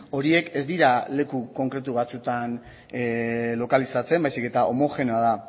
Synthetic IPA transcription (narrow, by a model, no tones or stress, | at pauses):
o̞ɾie̞ke̞zd̪iɾale̞kuko̞ŋkɾe̞t̪̬uβat͡sut̪an | lo̞kalisat͡se̞mbajsike̞t̪aʔo̞mo̞xe̞neaða